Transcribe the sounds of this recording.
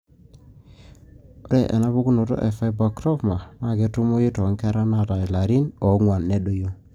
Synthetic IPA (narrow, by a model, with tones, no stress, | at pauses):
o˦ɾe˨ʔḛ˨na˦βu˦ku˦nu˨to̰˦ʔe˨fa˦jbɔ˨kɾɔ˦vma˨ma˦˨ɡe˨tu˦mu˦ji˦tɔ˨˦ŋkɛ˦ɾa˦na˦˨ta˨i˨la˨ɾi˦nɔ˨˦ŋwa˨nːe˦ɗo˦jo˦